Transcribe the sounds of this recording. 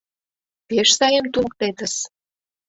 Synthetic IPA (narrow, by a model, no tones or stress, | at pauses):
peʃsɑjemt̪uk̚t̪et̪ə̆s